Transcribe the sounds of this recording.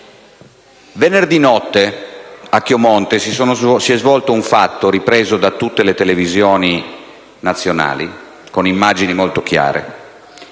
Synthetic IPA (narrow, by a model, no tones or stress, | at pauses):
venerd̪inɔt̪ːeakːjomɔnt̪esisoːnozsiɛzvɔlt̪ouɱfat̪ːoɾipɾeːzod̪at̪ːut̪ːelet̪elevizjoːni | nat̪sːjona̰ːlḭ | konimːad͡ʒinimolt̪ok̟ja̰ːɾḛ